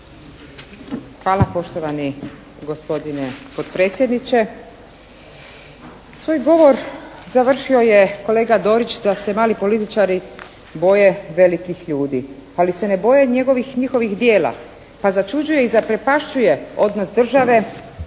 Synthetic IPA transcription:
xʋaːlapo̞ʃt̪o̞ʋani | ɡo̞spo̞d̪inepo̞t̪pɾeːt̪sjed̪nit͡ʃe̞ | sʋo̞jɡo̞ʋo̞ɾzaʋr̩ʃio̞je̞ko̞le̞ːɡad̪o̞ːɾit͡ʃd̪ase̞maːlipo̞lit̪it͡ʃaɾi | bo̞je̞ʋe̞likixʎuːd̪ialise̞ne̞bo̞je̞ɲe̞ɡo̞ʋixɲixo̞ʋixd̪je̞ːla̰ | pazat͡ʃud͡ʑuje̞izapɾe̞paʃt͡ʃuje̞o̞d̪nosd̪r̩ʒaʋe̞

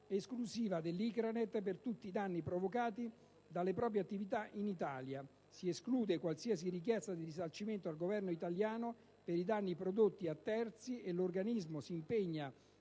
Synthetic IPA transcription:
eskluziːvad̪elːikɾanet̪pert̪ut̪ːiːd̪anːipɾovokaːt̪i | d̪alːepɾɔːp̬ɾjeat̪ːivit̪aʔinit̪aːlja | sieskluːd̪ekwalsias̬irik̬jɛst̪ad̪irisalt͡ʃiment̪oalɡovɛrnoit̪aljaːno | peɾid̪anːipɾod̪ot̪ːiat̪ːɛrt̪sielorɡanizmosiːmpeɲːa

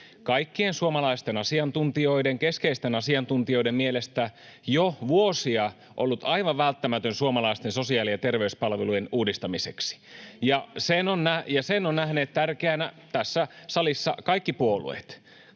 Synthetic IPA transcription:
kɑikːiensuomɑlɑist̪enɑsiɑnt̪unt̪io̞ideŋkeskeist̪enɑsiɑnt̪unt̪io̞idemmielest̪æjoʋuosiɑ | ʔolːut̪ɑiʋɑʋʋælt̪ːæmæt̪ønsuomɑlɑist̪enso̞siɑːlijɑt̪erʋeyspɑlʋelujenuːdist̪ɑmiseksi̥jɑsenonnæjɑsenonnæhneːt̪t̪ærkeænæ | t̪æsːæsɑlisːɑkɑikːipuolṵḛt̪

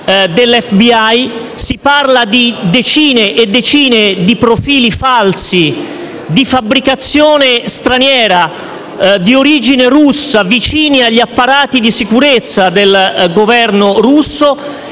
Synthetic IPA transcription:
d̪elɛfbiaj | siparlad̪id̪et͡ʃiːneʔːd̪ːet͡ʃiːned̪ipɾofiːlifalsi | d̪ifabɾikat̪sːjɔːnest̪ɾanjɛːɾa | d̪ioɾid͡ʒineɾusːavit͡ʃiːniaʎːiapːaɾaːt̪id̪isikuɾet̪sːad̪elɡovɛrnorusːo

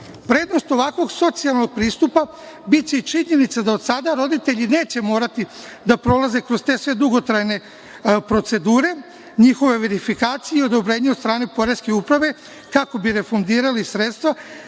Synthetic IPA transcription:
pɾe̞ːd̪no̞st̪o̞ʋakʋo̞ɡso̞t̪sialˠno̞ɡ̚pɾiːst̪upa | bit̪t͡ɕeit͡ʃiɲe̞nit̪sad̪aod̪sad̪aɾo̞d̪it̪e̞ʎine̞ːt͡ɕe̞mo̞ːɾat̪i | d̪apɾo̞laze̞kɾo̞zt̪e̞sʋe̞d̪uɡo̞t̪ɾajne̞ | pɾo̞t̪se̞d̪uːɾe̞ | ɲixo̞ʋe̞ʋe̞ɾifikaːt̪sijeio̞d̪o̞bɾe̞ːɲeod̪st̪ɾaːnepo̞ɾe̞ske̞upɾaʋe̞ | kako̞biɾe̞fond̪iːɾalisɾeːt̪st̪ʋa

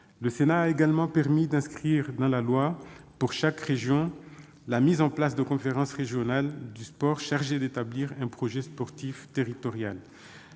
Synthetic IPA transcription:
ləsenaːeɡalmɑ̃pɛʁmid̪ɛ̃skχiʁd̪ɑ̃lalwapuʁʃakʁeʒjɔ̃ | lamizɑ̃plasd̪əkɔ̃feʁɑ̃sʁeʒjɔnald̪yspɔʁʃaʁʒed̪et̪abliʁɛ̃pχɔʒɛspɔʁt̪ift̪eʁit̪ɔʁjal

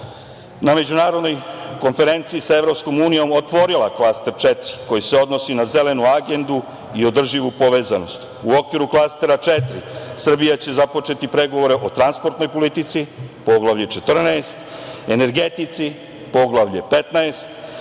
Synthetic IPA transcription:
name̞d͡ʑunaːɾo̞d̪no̞jko̞nfe̞ɾe̞nt̪siːsaevɾo̞psko̞muːnijo̞mot̪ʋo̞ɾilˠaklˠast̪e̞ɾt͡ʃet̪ɾiko̞jise̞o̞d̪no̞sinaze̞le̞nuaɡe̞nd̪u | io̞d̪r̩ʒiʋupo̞ʋe̞ːzano̞st̪ | uo̞kʋiɾuklˠast̪e̞ɾat͡ʃet̪ɾḭsr̩bijat͡ɕe̞zapo̞t͡ʃe̞t̪ipɾe̞ɡo̞ʋo̞ɾe̞ʔo̞t̪ɾanspo̞ɾt̪no̞jpo̞lit̪it̪sipo̞ɡlˠaʋʎet͡ʃe̞t̪r̩naest̪ene̞ɾɡe̞t̪it̪si | po̞ɡlaʋʎepe̞t̪naest̪

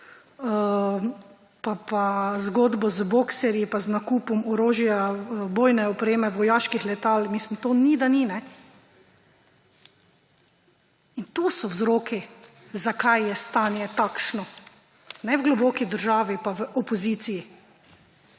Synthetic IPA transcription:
papazɡoːd̪bɔzboksɛɾjipaznakuːpɔmɔɾoːʒjaboːjnɛɔpɾeːmɛʋɔjaːʃkixlɛt̪almiːslimt̪oːnid̪aninɛ | int̪usɔwzɾoːki | zakajjɛst̪aːnjɛt̪akʃnɔ | nɛwɡlɔbɔkid̪əɾʒaːʋipaʋəʔɔpɔziːt̪siji

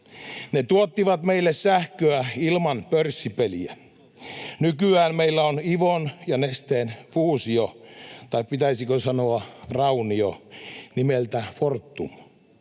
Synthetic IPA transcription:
net̪uot̪ːiʋɑt̪meilːessæhkøæilmɑnpørsːipeliæ | nykyæːnmeilːæoniʋonjɑnest̪enfuːsiot̪ɑippit̪æisikøsɑnoɑrɑunionimelt̪æfort̪ːum

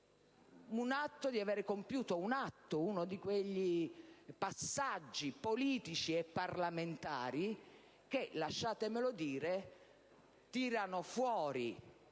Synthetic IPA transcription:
unat̪ːod̪iavɛːɾɪkompjuːt̪ounat̪ːʊunod̪ikweʎːipasːad͡ʒːipoliːt̪it͡ʃiɛpːarlament̪a̰ːɾi | k̟elaʃːaːt̪ɪmɪlod̪iːɾe | t̪iːɾanofwɔːɾi

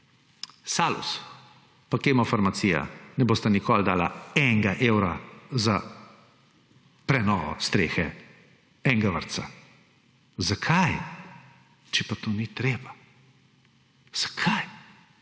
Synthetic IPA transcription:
saːlṵs | pakemɔfaɾmat̪siːja̰nɛboːst̪anikɔːld̪aːla̰ɛŋɡaʔewɾa̰za | pɾɛnɔːʋɔ̰st̪ɾeːxɛ | ɛŋɡaʋə̰ɾt̪sa | zakʰaj | t͡ʃɛpat̪oːnit̪ɾeːba | z̥ḁkʰaj

